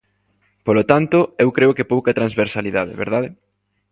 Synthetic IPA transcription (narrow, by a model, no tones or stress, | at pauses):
polot̪ant̪ʊewkɾeʊkepowkɐt̪ɾanzβeɾsaliðaðɪ̰βḛɾðaðɪ